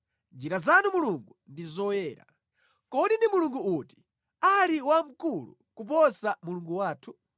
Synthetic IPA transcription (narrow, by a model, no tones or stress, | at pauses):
nd͡ʒiɾazanumuluŋɡundizɔwɛːɾa̰ | kɔɗindimuluŋɡuuti̥ | aliwam̩kulṵ | kup̬ɔsamuluŋɡuwaːtʰu